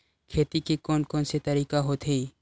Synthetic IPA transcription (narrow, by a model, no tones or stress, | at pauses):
kʰeːt̪ikikɔːnkɔːnset̪ɐɾiːkaɦoːt̪ɦiː